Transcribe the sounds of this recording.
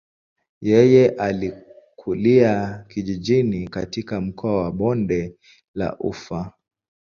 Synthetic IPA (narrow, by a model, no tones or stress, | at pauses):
jɛjɛʔali | kʰuliakiʄiʄinikatikam̩kʰɔawaɓɔndɛ | la̰ʔṵfa